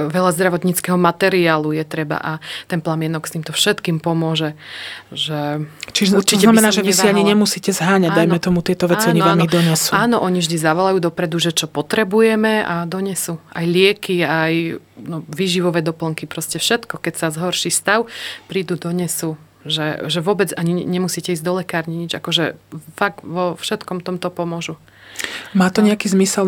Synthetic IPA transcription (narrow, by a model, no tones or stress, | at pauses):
ʋɛlazd̪ɾaʋɔt̪ɲit͡skɛɦɔmat̪ɛɾiaːlujɛt̪ɾɛba̰ʔat̪ɛnplamɪɛnɔkst̪iːmt̪ɔfʃɛt̪kiːmpɔmʊɔʒɛʒɛt͡ʃiʒzuɾt͡ʃiɛnamɛnaːʒɛisiaɲiɲɛmusiːcɛzɦaːɲaɟd̪ajmɛt̪ɔmut̪ɪɛt̪ɔʋɛat͡sːiɔnɲiʋanmid̪ɔɲɛsuaaːnɔʔɔɲivʒd̪izaʋɔlajuːd̪ɔpɾɛd̪uʒɛt͡ʃɔpɔt̪ɾɛbujɛmɛad̪ɔɲɛsuajlɪɛkiajnɔʋiːʒiʋɔʋɛd̪ɔpl̩ŋkipɾɔscɛfʃɛt̪kɔkɛcsazɦɔɾʃist̪aʊpɾiːd̪ud̪ɔɲɛsu | ʒɛʒɛʋʊɔbɛd͡zaɲiɲɛmusiːcɛiːzd̪ɔlɛkaːɾɲiɲid͡ʒa̰kɔʒɛfaɡʋɔfʃɛt̪kɔmt̪ɔmt̪ɔpɔmʊɔʒu | maːt̪ɔɲɛakiːzmisɛl